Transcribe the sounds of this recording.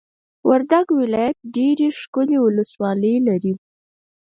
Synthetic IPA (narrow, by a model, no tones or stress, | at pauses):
wʔaɾd̪aɡwɪlɑjat̪̚ɖeɾeʂkʊlewʊləswɑləjlaɾi